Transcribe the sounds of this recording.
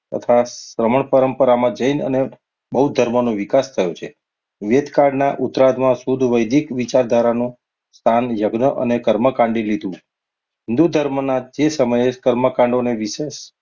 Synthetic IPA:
t̪ə̰t̪ʰasɾəməɳpəɾəmpəɾamãd͡ʒəinə̰ne | bəɦud̪ʱəɾmənõʋikast̪ʰəjot͡ʃʰe | ʋed̪kaɖnaʔut̪ɾad̪mãsud̪ʱʋəjd̪ʱikʋit͡ʃaɾd̪ʱaɾanũ | st̪ʰanjəɡnəʔə̰nekəɾməkãɳɖilid̪ʱũ | ɦɪnd̪ud̪ʱəɾmnad͡ʒesəməjekəɾməkãɳɖoneʋiʃeʃ

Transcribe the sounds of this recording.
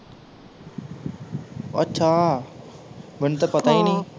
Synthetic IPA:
ə̰tːʃʰaː | mɪnt̪əpət̪aːĩːnĩː

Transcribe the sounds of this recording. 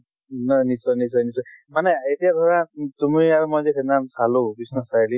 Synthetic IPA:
nanisɔjnisɔjnisɔjmanɛetijaɡʱɔɹatumiaɹumɔjzekʰenasalubisnasajli

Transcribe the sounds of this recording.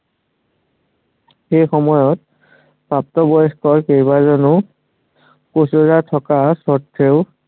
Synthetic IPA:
xejxɔmɔjɔt̚ | pap̚tɔbɔjskɔɹkejbazɔnʊ | kosoɹatʰɔkasɔtʰːeʊ

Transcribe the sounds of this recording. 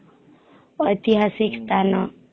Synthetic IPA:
ʌjt̪iɦasikst̪ʰanʌ

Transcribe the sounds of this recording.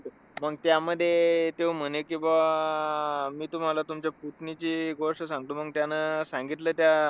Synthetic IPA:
məɡt̪jaməd̪ʱːjet̪em̤əɽekĩw̃ʋa | miːt̪um̤alat̪umt͡ɕjaput̪nit͡ɕiːɡoʂʈəsãŋɡ̚t̪uməɡt̪janəsãŋɡit̪ləːt̪ja

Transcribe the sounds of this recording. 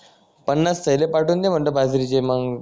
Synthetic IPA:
pənːast̪əɦjlepaʈuːnd̪em̤əɳʈ̪əbʱad͡zɾit͡ɕemaɡ

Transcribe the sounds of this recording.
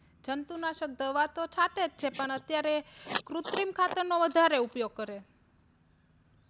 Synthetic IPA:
d͡ʒənt̪unaʃək̚d̪əʋat̪ot͡ʃʰat̪ed͡ʒt͡ʃʰepəɳət̪jaɾekɾut̪ɾimkʰat̪əɾnoʋəd̪ʱaɾeupjoɡ̚kəɾe

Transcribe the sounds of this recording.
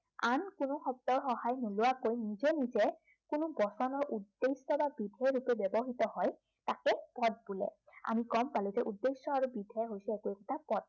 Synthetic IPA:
ankʊnʊxɔp̚tɔɹxɔɦajnulʊwakojnizɛnizɛ | kʊnʊbɔsɔnɔɹʔudːesɔbabidʱɛɹupɛbjɔbɔɦitɔɦɔj | takɛpɔd̚bulɛ̰a̰mikɔmpaluzɛʔudːesɔaɹubidʱɔɦojsɛekukɔtʰapɔd̚

